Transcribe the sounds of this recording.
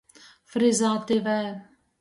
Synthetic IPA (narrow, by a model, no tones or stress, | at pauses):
fɾɪzaːt̪ɪvɛ